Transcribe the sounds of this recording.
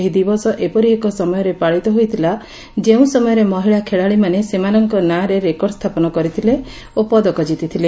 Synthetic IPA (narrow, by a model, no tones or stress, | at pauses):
ɦid̪ibɔsɔʔepɔɾiekɔsɔmɔjɔɾepaɭit̪ɔɦojt̪ʰila | d͡ʒeũsɔmɔjɔɾemɔɦiɭakʰeɭaɭimanesemanɔŋkɔnaɾeɾekɔɾɽɔst̪ʰapɔnɔkɔɾit̪ʰile | opɔd̪ɔkɔd͡ʒit̪it̪ʰile